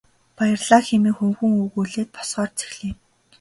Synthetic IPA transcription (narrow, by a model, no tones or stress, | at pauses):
pajɪ̆rɮaːxemiːxuŋxɵ̆ŋuɣuːɮeːt̪̚pʰɔ̥sɢɔːrt͡sʰe̥xɮiː